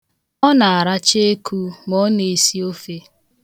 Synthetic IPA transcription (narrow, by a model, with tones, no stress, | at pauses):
ɔ˦na˨a˨ɾa˦t͡ʃe˦e˦ku˦mɔ˦ne˨si˦o˦fe˦